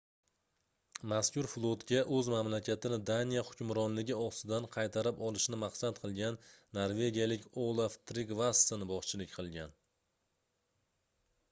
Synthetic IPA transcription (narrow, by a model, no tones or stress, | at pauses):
maskʲʊɾflˠot̪ɡʲaʔɵzmamlakʲʰat̪ʰɪnɪd̪anijahʊkʲʊmɾɒnlɪɡʲɪɒst̪ɪd̪anqʰɑjt̪ʰaɾɪpɒlˠɪʃnɪmɑqsat̪̚qʰɨlˠɡʲanːaɾve̞ɡʲijalɪkʲolˠaft̪ɾiɡvasɪnbɒχt͡ʃʰɪlɪkʲqʰɨlˠɡʲan